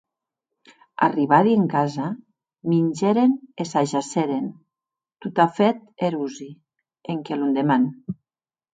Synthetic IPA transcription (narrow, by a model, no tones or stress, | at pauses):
a̰riβaðieŋkaza | minʲd͡ʒeɾenesaʒaseɾen | t̪ut̪afet̪̚eɾuzi | eŋkelund̪eman